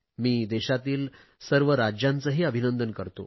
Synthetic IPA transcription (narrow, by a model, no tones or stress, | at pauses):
miːd̪ɛɕat̪iːl | səɾʋəɾad͡ʑjãnt͡səɦiːəbʱinənd̪ənkəɾt̪o̰